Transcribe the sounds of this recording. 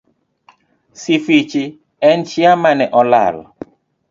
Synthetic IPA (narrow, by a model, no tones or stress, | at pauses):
sifit͡ʃi | ɛnt͡ʃiamanɛʔɔla̰lɔ